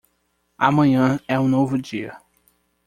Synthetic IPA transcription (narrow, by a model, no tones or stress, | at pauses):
a̰mɐ̃ɲɐ̃ɛũnovʊd͡ʒiɐ̰